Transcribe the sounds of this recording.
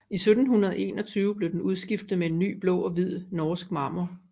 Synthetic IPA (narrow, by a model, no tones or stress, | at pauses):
isød̥n̩ɦunɐð̞̩ˠe̝̰ːnɒ̽t͡sʰyːʊəb̥le̝d̥enuð̞ˠsɡ̥ifd̥ð̩ˠmee̝nːy̰ːb̥lɔ̰̽ːɒ̽ʋið̞̰ˠnɒːsɡ̥̚mɑ̈m̰ɐ